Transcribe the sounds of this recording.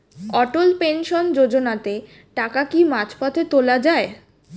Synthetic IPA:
ɔʈolpenʃond͡ʑod͡ʑonat̪e | ʈakakimat͡ɕpat̪ʰet̪olad͡ʑae

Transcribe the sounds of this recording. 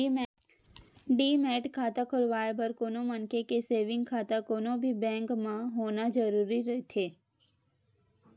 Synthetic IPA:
ɖiːmɛːʈkʰaːt̪akʰʊlʋaːebɐɾkoːnõmɐnkekeseːʋɪ̃ŋɡkʰaːt̪akoːnõbʱibɛ̃ːŋkmãɦoːnad͡ʒɐɾuːɾiɾɐɦet̪ʰeː

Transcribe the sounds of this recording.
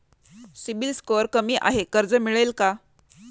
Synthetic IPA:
sibilskoəɾkəmiːʔa̰ɦekəɾd͡zəmiɭelka

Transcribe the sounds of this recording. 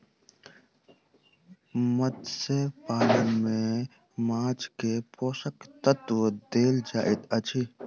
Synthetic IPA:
mət̪sepaːləmẽ | maːt͡ʃkepoːsəkt̪ət̪ʋd̪eːld͡ʒaːʔɪt̪ət͡ʃʰi

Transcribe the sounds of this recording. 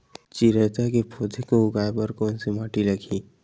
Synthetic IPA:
t͡ʃiɾɛt̪aɦkepʰoːd̪ʰʱekoʊɡaːebɐɾkɔ̃ːnsimaːʈilɐɡʰʱiː

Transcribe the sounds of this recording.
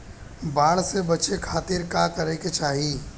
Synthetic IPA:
baːɽsebɐt͡ʃekʰaːt̪ɪɾkakəɾeket͡ʃaːɦiː

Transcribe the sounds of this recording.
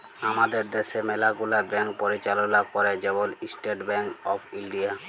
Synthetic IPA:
amad̪eɾd̪eʃemelaɡulabɛɳk̚poɾit͡ɕalonakɔɾed͡ʑebolisʈeʈbɛɳɔpʰilɖia

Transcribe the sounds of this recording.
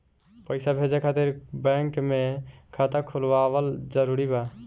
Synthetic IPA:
pəɪsabʱed͡ʒakʰat̪iɾbɛŋkmekʰat̪əkʰulʋabəld͡ʒəɾuɾiba

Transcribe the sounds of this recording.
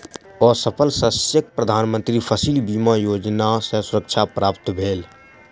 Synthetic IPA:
ɔːɾsəpʰəlsəsjək̚pɾəd̪ʱaːnmə̃nt̪ɾipʰəsilbiːmajoːd͡ʒnasə̃sʊɾəkt͡ʃʰapɾʔaːpt̪bʱeːl

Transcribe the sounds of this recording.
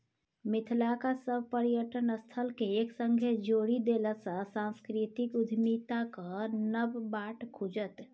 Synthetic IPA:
mɪt̪ʰlakasəbʱpəɾijəʈənəst̪ʰəlkeːksə̃ŋɡʱed͡ʒoɽid̪eləsə̃sãnskɾit̪ikud̪ʱmit̪akanəbbaʈkʰud͡ʒət̪

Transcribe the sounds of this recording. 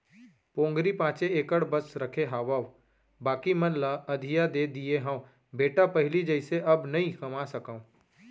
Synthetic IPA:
põːŋɡɾipãːt͡ʃeeːkəɽbəsɾɐkʰeɦaːʋaʋ | baːkimɐnlaɐd̪ʱijad̪eːd̪ieɦãː | beːʈapɐɦɪlid͡ʒɐɪseʔɐbnɐĩkɐmasɐkãũ

